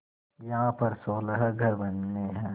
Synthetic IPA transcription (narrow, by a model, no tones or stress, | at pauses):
jɐɦãpɐɾsoːləɦɡʱɐɾbɐnːeɦɛ̃ː